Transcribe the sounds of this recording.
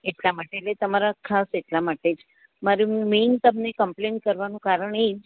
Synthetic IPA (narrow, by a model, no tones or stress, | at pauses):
eʈlamaʈeːʈlet̪əmaɾakʰaseʈlamaʈed͡ʒ | maɾiment̪əbnekəmplen̚kəɾʋanũkaɾəɳed͡ʒ